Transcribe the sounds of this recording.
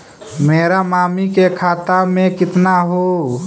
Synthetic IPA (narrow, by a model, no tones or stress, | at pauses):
meːɾamaːmikekʰaːt̪amẽkɪt̪naɦo